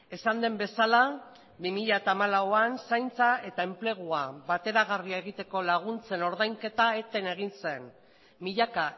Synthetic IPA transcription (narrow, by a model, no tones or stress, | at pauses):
e̞sand̪e̞mbe̞sala | bimiʎaet̪aːmalawoansajnt͡sae̞t̪ae̞mple̞ɣ̞uaβat̪e̞ɾaɣ̞ariaeɣ̞it̪e̞ko̞laɣ̞unt͡se̞no̞ɾðajŋke̞t̪ae̞t̪e̞ne̞ɣ̞inse̞n | miʎaka